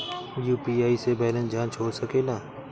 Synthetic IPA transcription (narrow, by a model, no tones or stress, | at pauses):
juːpiːaːisebɛːlənd͡ʒãːnt͡ʃʰoːɾsəkeːlaː